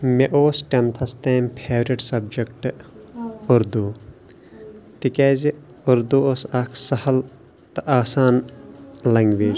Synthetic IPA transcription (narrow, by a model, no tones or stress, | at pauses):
meʔoːsʈʲɐnt̪ʰɐst̪eːmpʰeːʋɾiʈsɐb̚d͡ʒekʈ | ʊɾd̪u | t̪ikɛːzi | ʊɾd̪uosɐkʰsɐhɐl | t̪ɐʔaːsaːn | lɐŋɡʋeːd͡ʒ